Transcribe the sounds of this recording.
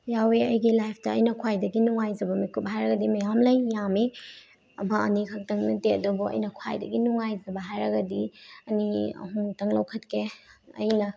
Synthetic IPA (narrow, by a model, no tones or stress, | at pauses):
jaweɐjɡilajpʰtɐːjnɐkʰwajdɐɡinuŋajzɐbɐmikʰup̚ɦajɾɐɡɐdimɐjamlɐjːame | ɐmɐɐ̰nikʰɐk̚tɐŋnɐteɐdobɔɐ̰jnɐkʰwa̰jdɐɡinuŋajzɐbɐɦajɾɐɡɐdiɐniɐ̰ɦuŋtɐŋlɐwkʰɐtkʰeɐ̰jnɐ